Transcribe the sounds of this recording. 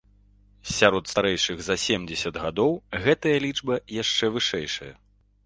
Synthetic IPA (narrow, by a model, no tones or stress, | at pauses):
sʲaɾɔt̪st̪aɾɛjʂɨɣzɐsʲemd͡zʲɛsʲɐd̪ɣad̪ɔwɣɛt̪ɐjɐlʲid͡ʐbɐjaʂt͡ʂɛvɨʂɛjʂɐjɐ̰